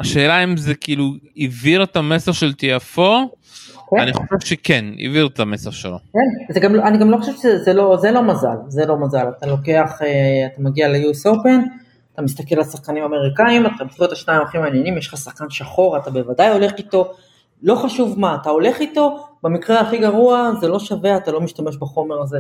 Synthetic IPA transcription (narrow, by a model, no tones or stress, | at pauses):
aʃe̞ːlaimzekiːluiviʁetamesaχʃe̞lt̪iafo̞ | kaniχo̞ʃevʃekenḭviʁet̪ame̞saχʃelo̰kenzeɡamlaniɡamlo̞χoʃevʃezelo̞zelo̞mazalzelo̞mazalat̪alo̞ke̞aχeat̪amaɡialejuso̞pe̞n | at̪amist̪akelalsaχkanimame̞ʁikaimat̪aamseet̪aʃnaimaχimaːnjenimjeʃχasaχkanʃaχo̞ʁatabe̞vadajo̞le̞χito̞ | lo̞χaʃuvmaːtao̞le̞χito̞bamikʁeaχiɡaʁuaze̞lo̞ʃaveaːt̪alo̞miʃtame̞ʃbaχo̞me̞ʁaze̞